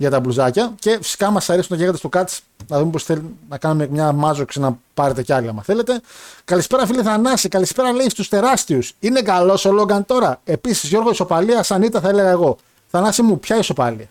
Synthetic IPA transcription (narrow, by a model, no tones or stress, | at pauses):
ʝɐt̪ɐbluzɐcɐce̞fi̥si̥kɐmɐsɐɾisunnɐʝeɣɐt̪eso̞kɐt̪si̥ | nɐðumepo̞sθe̞linɐkɐnumemɲɐmɐzoksinɐpɐɾe̞t̪e̞ceɐliɐmɐθe̞le̞t̪e̞kɐlispe̞ɾɐfiliθɐnɐsikɐlispe̞ɾɐle̞ist̪ust̪e̞ɾɐst̪iusine̞kɐlo̞solo̞ɡɐnt̪o̞ɾɐe̞pisi̥zʝo̞ɾɣo̞iso̞pɐliɐsɐnit̪ɐθɐe̞le̞ɣɐe̞ɣo̞ | θɐnɐsimupçɐiso̞pɐ̰liɐ